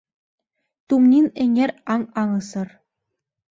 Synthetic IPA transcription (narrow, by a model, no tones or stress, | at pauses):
t̪umnʲinĕŋʲeɾʲɑŋɑŋɤsɤ̆r